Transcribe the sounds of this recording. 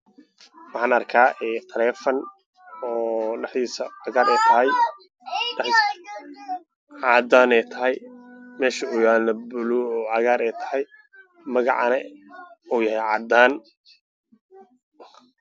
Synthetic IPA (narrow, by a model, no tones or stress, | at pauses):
wɑħɑːnɐrkʰaːʔɛːt̪ʰɐlɛːfɐn | ɔːɖɐħd̪iːsɐʕɑɣaːɾɛjt̪ʰɐɦɛj | ħ | ʕɑːd̪aːnɛjt̪ʰɐɦɛjmɛːʃɐʊjaːlɐbʊluɔːʕɑɣaːɾɛjt̪ʰɐ̥hɛj | mɐɣɑ̰ʕɑnɛuːjɐhɛjʕɑ̰d̪aːn